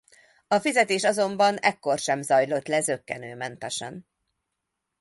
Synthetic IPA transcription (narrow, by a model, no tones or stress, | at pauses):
ɒfizɛt̪eːʃɒzo̞mbɒnɛkːo̞rʃɛmzɒjlo̞t̪lɛzø̞kːɛnøːmɛnt̪ɛʃɛ̰n